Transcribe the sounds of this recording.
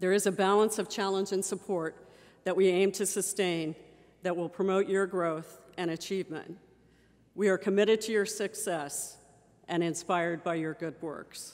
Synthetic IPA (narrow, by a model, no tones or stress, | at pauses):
ðə˞ɨzɨbælˠə̃nsʌv̥t͡ʃʰælˠə̃nd͡ʒɨ̃nsəpʰɔɹt̪̚ | ðɨʔ̚wiẽɪ̃mtʰɨsɨstẽɪ̃n | ðɨt̚wɪlˠpʰɹ̥əmoʊt͡ʃə˞ɡɹoʊθɨ̃ɾ̃ɨt͡ʃʰivmə̰̃nt | wiə˞kʰɨmɪɾɨd̚tʰɨjə˞sɨksɛs | ʔɨ̃ñɨ̃nspaɪə˞d̚baɪjə˞ɡʊd̚wɜ̰˞ks